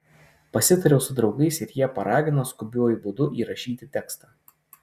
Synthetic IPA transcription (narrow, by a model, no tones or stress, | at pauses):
pɐsʲɪt̪ɐɾʲɛʊsʊd̪ɾɒʊɡɐɪsɪɾjiɛpɐɾɑːɡʲɪnoːskʊbʲuːjʊbʊd̪ʊʔiːɾɐʃʲiːt̪ʲɪt̪ʲɛkst̪ɑː